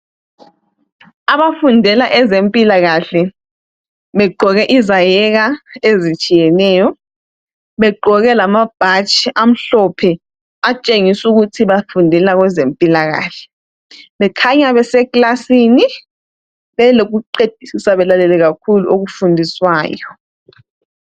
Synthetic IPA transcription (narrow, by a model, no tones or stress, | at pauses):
aβafundʱɛlaʔɛzempʼilaɣaɬɛ | βɛɡ͡ǃʱɔɣɛʔizajɛɣaezit͡ʃʼijɛnɛːjɔ | βɛɡ͡ǃʱɔɣɛlamab̥ʱat͡ʃʼiam̩ɬɔpʰɛ | at͡ʃʼeŋisuɣutʰiβafundʱɛlaɣwɛzempʼilaɣa̰ːɬɛ̥ | βɛkʰaɲaβɛsɛkʼlasiːni | βɛloɣuǃed̥ʱisisaβɛlalɛlɛɣak̚ʰuluʔoɣufundʱiswaːjɔ